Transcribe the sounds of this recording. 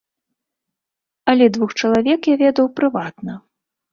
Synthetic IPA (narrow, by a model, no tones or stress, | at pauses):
ɐlʲɛd̪vuxt͡ʂɐlˠavʲɛkjavʲɛd̪ɐwpɾɨvat̪nɐ